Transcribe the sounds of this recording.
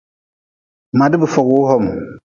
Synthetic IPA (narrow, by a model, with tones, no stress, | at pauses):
ma˨di˦bɨ˨fɔ˨kwo˦hɔ˦˨m